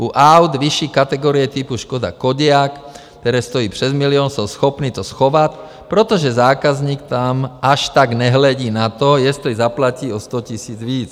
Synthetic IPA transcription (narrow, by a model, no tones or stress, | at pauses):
uʔawd̪ʋiʃiːkat̪ɛɡɔːɾijɛt̪ipuʃkɔd̪a̰kɔɟɪak | t̪ɛɾɛst̪ɔjiːprɛzmiliɔːnsɔsxɔpniːt̪ɔsxɔʋac | pɾɛt̪ɔʒɛzaːkazɲiːkt̪amaʃt̪aɡɲɛɦlɛɟiːnat̪ɔjɛst̪ɔizaplaciːɔst̪ɔcisiːd͡zʋiːt͡s